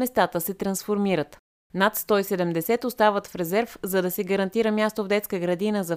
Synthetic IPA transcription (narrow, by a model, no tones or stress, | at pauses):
ɛst̪at̪əsɛt̪ɾɐnsfoɾmiɾət̪ | nat̪st̪ɔisɛd̪ɛmd̪ɛsɛt̪ʊst̪avət̪fɾɛzɛɾfzɐd̪ɐsɛɡɐɾɐnt̪iɾəmʲjast̪ovd̪ɛt̪skəɡɾɐd̪inəzɐ